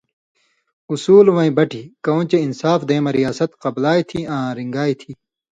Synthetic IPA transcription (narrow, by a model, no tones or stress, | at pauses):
usuːlʋɐ̃ĩbɐʈʰikɐõːt͡ɕeinsaːfd̪eːmɐɾijaːsɐt̪qɐblaːit̪ʰiãːɾiŋɡaːit̪ʰiː